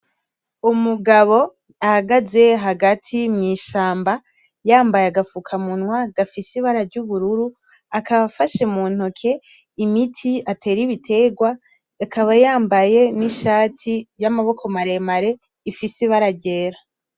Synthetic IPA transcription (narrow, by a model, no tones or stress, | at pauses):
umuɡaβo̞ | ahaɡaze̞ɦaɡatʰimŋiːʃaːmba | jaːmbajaɡafukʰamunwaɡafisiβaɾaɾɟuβuɾuɾu | akaβafaʃe̞muːn̥hokʰe̞ | imitʰiatʰe̞ːɾiβitʰe̞ːɡwa | akaβajaːmbaje̞niʃaːtʰijamaβo̞kʰo̞maɾe̞maɾe̞ | ifisiβaɾaɟe̞ːɾa